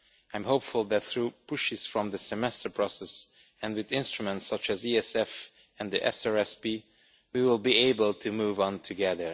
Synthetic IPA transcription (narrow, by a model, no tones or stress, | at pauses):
ãj̃mɦopfʊlˠðæt̪θɹupʊʃɪz̥fɹɔ̃mðəsɛmɛstə˞pʰɹ̥ɔsɛs | ɛ̃ndwɪðɪ̃nstɹumɛ̃ntsʌt͡ʃɨziɛsɛf | ɛ̃nðiʔɛ̰sɑɹɛsbi | wiwɪlˠbieɪbəlˠtʰumuːvə̃ntʰɨɡɛðə˞